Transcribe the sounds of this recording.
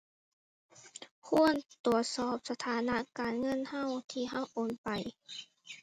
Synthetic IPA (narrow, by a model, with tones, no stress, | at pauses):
kʰu˧˥˨ənt̪u˨˩ət̪̚sɔː˧˩p̚sa˧t̪ʰaː˨˦na˧˥kaː˨nŋɤ˧˥˨nha˧˥˨wt̪ʰiː˧ɦa˧˥˩wʔoː˨˩npa˨j